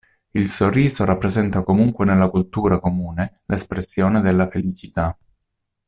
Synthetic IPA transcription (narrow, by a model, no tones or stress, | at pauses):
ilsorːiːzoɾapːɾezɛnt̪akomuŋkwenelːakult̪uːɾakomuːne | lʔespɾesːjoːned̪elːafelit͡ʃit̪a